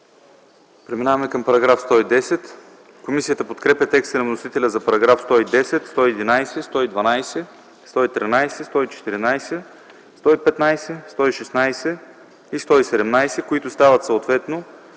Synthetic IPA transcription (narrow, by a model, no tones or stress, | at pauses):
pɾɛminavɐmɛkɐmpɐɾɐɡɾafst̪ɔid̪ɛsɛt̪ | komisiət̪əpot̪kɾɛpʲɐt̪ɛkst̪ənɐvnosit̪ɛlʲɐzɐpɐɾɐɡɾafst̪ɔid̪ɛsɛt̪st̪ɔiɛd̪inajsɛst̪ɔid̪vɐnajsɛ | st̪ɔit̪ɾinajsɛst̪ɔit͡ʃɛ̥t̪iɾinajsɛ | st̪ɔipɛt̪najsɛst̪ɔiʃɛsnajsɛ | ist̪ɔisɛd̪ɛmnajsɛkʊit̪ʊst̪avət̪sɐot̪vɛt̪no